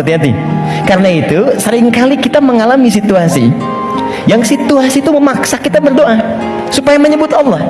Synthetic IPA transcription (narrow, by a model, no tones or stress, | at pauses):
at̪iɦat̪ḭ | karənait̪usəɾɪŋkalikit̪aməŋalamisit̪uasḭ | jaŋsit̪uasit̪uməmaksakit̪abərdoʔa | supajaməɲəbʊt̪ɑlːɔh